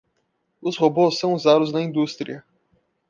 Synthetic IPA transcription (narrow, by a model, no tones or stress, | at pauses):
ʊshobosːɐ̃w̃uzad̪ʊznɐĩnd̪ust̪ɾiɐ